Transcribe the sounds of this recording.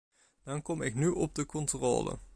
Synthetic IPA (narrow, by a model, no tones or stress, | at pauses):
d̥ɑŋkɔmɪknyʔɔb̚dəkɔntro̰ːlə̰